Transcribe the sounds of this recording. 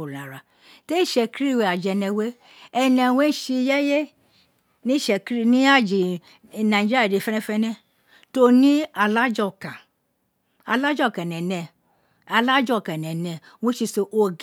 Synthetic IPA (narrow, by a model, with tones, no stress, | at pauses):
o˨a˨ɾa˨ | te˦i˦˨ʃɛ˧ki˦ɾi˦˨we˧˨a˨d͡ʒɛ˧nɛ̃˧we˦ | ɛ˧nɛ̃˧we˦ʃi˧jɛ˦je˦ | nĩ˦˨ʃɛ˧kɾi˦˧nĩ˦a˦˨d͡ʒi˨ | nã˨ĩ˨d͡ʒi˦a˨de˧˨fɛ˦nɛ̃˦fɛ˧˦nɛ̃˧ | to˧nĩ˦a˧˨la˦d͡ʒɔ˦˨ka˨ | a˨la˦d͡ʒɔ˦˨ka˨nɛ̃˨nɛ̃˧ | a˧la˦d͡ʒɔ˦˨ka˨nɛ̃˨nɛ̃˧ | wõ˦ʃi˧so˧ʔo˧ɡ